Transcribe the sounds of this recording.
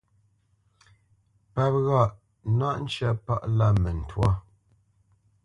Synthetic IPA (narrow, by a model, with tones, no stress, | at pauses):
pa˨p̚ɣa˦˨ʔ | na˦˨ʔn̩˦t͡ʃɛ˦˨pa̰˦ʔla˦˨mɛ˨n̩˨twa˦